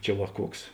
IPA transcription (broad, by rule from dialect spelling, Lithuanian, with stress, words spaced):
ˈt͡ʃʲɛ ʋɐ ˈkuɔks